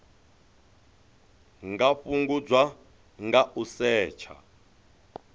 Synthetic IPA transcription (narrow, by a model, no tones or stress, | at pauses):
ŋɡaɸuŋɡud͡zwa | ŋɡaʔusɛːt͡ʃʰa̰